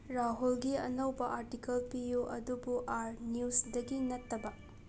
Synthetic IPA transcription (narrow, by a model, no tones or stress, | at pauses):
ɾaɦulɡiɐ̰nɐwbɐʔaɾtikɐlpijuʔɐdubuʔaɾniusdɐɡinɐtːɐbɐ